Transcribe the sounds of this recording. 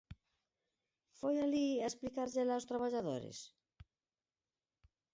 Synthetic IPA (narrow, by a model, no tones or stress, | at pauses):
fojaliaesplikaɾʎelawst̪ɾaβaʎaðo̰ɾḛs